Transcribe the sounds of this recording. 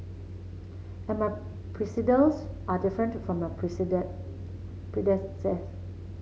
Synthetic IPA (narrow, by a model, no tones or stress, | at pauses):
ɛ̃nma | pʰɹisidəlsʔadɪfɹə̃ntfɹɔ̃mə | pɹidɛ̃sɛt